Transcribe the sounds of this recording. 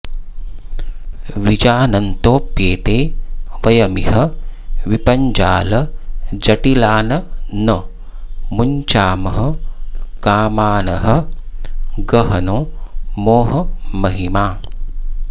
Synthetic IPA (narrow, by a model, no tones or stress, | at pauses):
ʋid͡ʒaːnɐnt̪oːpjeːt̪eːʋɐjɐmiɦɐʋipɐɲd͡ʒaːlɐd͡ʒɐʈilaːnɐnɐ | muɲt͡ʃaːmɐɦɐkaːmaːnɐɦɐ̆ | ɡɐɦɐnoːmoːɦɐmɐɦimaː